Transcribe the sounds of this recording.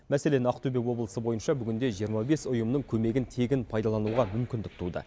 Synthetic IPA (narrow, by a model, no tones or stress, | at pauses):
mæse̞le̞nɑqt̪ubekwo̞blˠəsəbo̞jənʃɑbʏɡʲɪnd̪e̞ʒijəɾmɑbe̞sʊjəmnəɴkʲʰɵme̞ɡʲɪnt̪ʰe̞ɡʲɪnpʰɑjd̪ɑlˠɑnuwʁɑmʏmkʲɪnd̪ɪk̚t̪ʰud̪ə̰